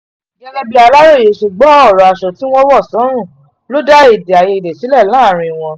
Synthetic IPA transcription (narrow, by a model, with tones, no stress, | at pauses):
ɡɛ˦lɛ˦bi˦a˧la˦ɾo˦˨je˨ʃe˨ɡ͡bɔ˨˦ɔ˦˨ɾɔ˨a˨ʃɔ˨ti˨˦w̃ɔ̃˦wɔ˦˨sɔ̃˨˦ɾ̃ũ˦˨ | lo˦da˦e˦˨de˨a˨je˧i˨de˨si˨˦lɛ˦˨lãː˦˨ɾ̃ĩ˧w̃ɔ̃˧